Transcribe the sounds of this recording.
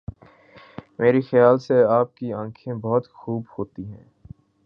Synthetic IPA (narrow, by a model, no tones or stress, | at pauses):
meːɾixjaːlseaːp̚kiãːkʰẽbɔɦʊt̪xuːbhoːt̪iɦɛ̰̃ː